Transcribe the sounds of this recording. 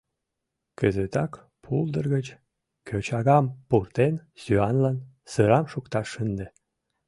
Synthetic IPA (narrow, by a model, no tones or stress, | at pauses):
kəzət̪ɑk | pʰuld̪ərɣət͡ɕ | kʰøt͡ɕɑɣɑmpurt̪ensyɑnlɑn | səɾɑmʃukt̪ɑʃːənd̪e